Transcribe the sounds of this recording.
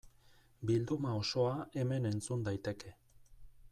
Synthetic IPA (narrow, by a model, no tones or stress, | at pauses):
bild̪umao̞so̞ae̞me̞ne̞nt͡sund̪ajt̪e̞ke̞